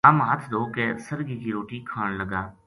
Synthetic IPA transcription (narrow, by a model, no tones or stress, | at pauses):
aːmɦət̪ʰd̪oːkesəɾɡikiɾoːʈikʰaːɽləɡaː